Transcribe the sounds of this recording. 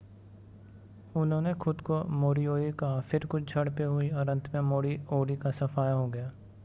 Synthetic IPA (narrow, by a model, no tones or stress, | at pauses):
ʊnɦõːnexʊd̪komoːɾioːɾikɐɦafɪɾkʊt͡ʃʰd͡ʒʱɐɽpeɦʊiɔɾə̃nt̪ʰmẽmoːɾioːɾikasɐfaːjaɦoɡɐjaː